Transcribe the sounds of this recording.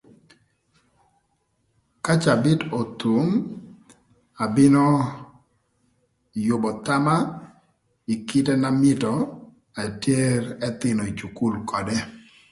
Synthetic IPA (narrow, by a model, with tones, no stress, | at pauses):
ka˦t͡ʃa˨bɪ˦to˨t̪u˨m | a˨bɪ˦nɔ˦ | jʊ˨bɔ˨t̪a˦ma˦ | i˨kɪ˦tɛ˦na˦mɪ˦tɔ˨ | a˨tje˦ɾɛ˦t̪ɪ˨nɔ˨i˨t͡ʃu˨ku˦lkɔ˨dɛ˦